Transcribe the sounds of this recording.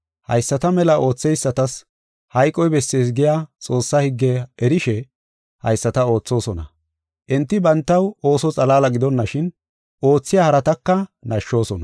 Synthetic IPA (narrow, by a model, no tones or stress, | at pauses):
hɐ̰jsːɐt̪ɐmɛlɐʔo̞ːt͡sːɛjsːɐt̪ɐs | hɐjkʼːɔjbɛsːe̞ːs̬ɡɪjaːt͡sʼo̞ːsːɐhɪɡːɛɛɾɪʃɛ | hɐ̰jsːɐt̪ɐo̞ːt͡sːo̞ːsɔnɐ | ʔɛnt̪ːɪbɐnt̪ːɐwo̞ːsɔt͡sʼɐlaːlɐɡɪd̪ɔnːɐʃɪn | ʔo̞ːt͡sːɪjaːhɐɾɐt̪ɐkːɐnɐʃːo̞ːsɔnɐ